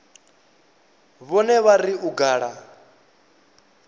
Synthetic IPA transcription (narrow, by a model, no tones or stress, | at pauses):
βɔnɛβaɾiʔuɡaːɺa